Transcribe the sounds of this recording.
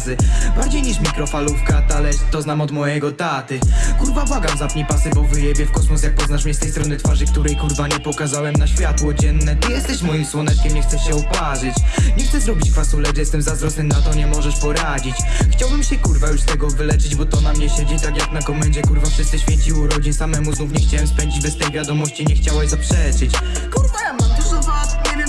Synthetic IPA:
sɘbaɾd͡ʑejɲiʂmʲikɾɔfalufkat̪alɛt̪ɔznamɔd̪mɔjɛɡɔt̪at̪ɘkuɾvabwaɡamzap̪ɲʲipasɘbɔvɘjɛbʲjɛfkɔsmɔsjak̚pɔznaʂmɲɛst̪ɛjst̪ɾɔnɨt̪faʐɘk̚t̪uɾɛjkuɾvaɲɛpɔkazawɛmnaɕfʲjat̪wɔd͡ʑɛnːɛt̪ɨjɛst̪ɛɕmɔjimswɔnɛt͡ʂkʲɛmɲɛxt̪sɛɕɛɔpaʐɘt͡ɕɲɛxt̪sɛzɾɔbʲit͡ɕkfasulɛjɛst̪ɛmzazɾɔsnɨmnat̪ɔɲɛmɔʐɛʂpɔɾad͡ʑit͡ɕxt͡ɕawbɘmɕɛkuɾvajuʂst̪ɛɡɔvɘlɛt͡ʂɘd͡ʑbɔt̪ɔnamɲɛɕɛd͡ʑɛt̪akjaknakɔmɛɲd͡ʑɛkuɾvafʂɨst̪ɨɕfʲjet͡ɕiwɔɾɔd͡ʑinsamɛmuznufɲɛxt͡ɕawɛmspɛɲd͡ʑid͡ʑbɛst̪ɛjvʲjad̪ɔmɔɕt͡ɕiɲɛxt͡ɕawajzapʂɛt͡ʂɘt͡ɕ | kuɾvajamat̪ɛzɔvaaɛvʲɛ

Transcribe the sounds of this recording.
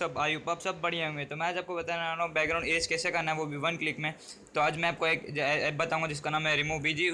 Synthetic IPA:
sɐbaːjupaːbsɐbːɐɽ̤ijãɦõːŋɡet̪omɛ̃aːd͡ʒaːp̚kobɐt̪aːnobɛːɡɾãːʊ̃ɳɖeskɛːsekɐɾnaɦɛʋobʱiʋɐnklɪkmẽ | t̪oaːd͡ʒmɛ̃aːp̚koeːkːbɐt̪aɦũŋɡad͡ʒɪskanãːmɦɛɾɪmuːbid͡ʒi

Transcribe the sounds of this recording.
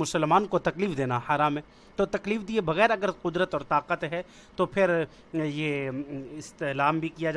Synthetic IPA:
ʊsəlmaːnkot̪ɐkliːfd̪eːnahaːɾaːmɦẽ | t̪ot̪ɐkliːfd̪iebɐɣɛːɾɐɡəɾqʊd̪ɾət̪ɔːɾt̪aːqət̪ɦɛ | t̪opʰɪɾ | jeɪst̪elaːmbʱikijad͡ʒa

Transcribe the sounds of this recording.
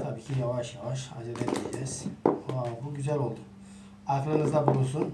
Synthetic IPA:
t̪ʰabiːcʰijavaʃjavaʃ̬ad͡ʒed̪ɛd̪ild͡ʒɛz̥oabuɟyzælʲo̞lˠd̪u̥ | akɾɯnɯzd̪abuɾus̬un

